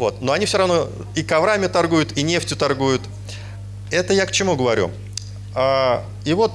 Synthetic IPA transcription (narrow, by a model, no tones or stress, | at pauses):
vo̞t̪noɐnʲifsʲoɾɐvno̞ | ikɐvɾamʲɪt̪ɐrɡujʊt̪inʲe̞ftʲjʊt̪ɐrɡujʊt̪ | ɛt̪əjakt͡ɕɪmuɡəvɐɾʲṵ | a | ivo̞t̪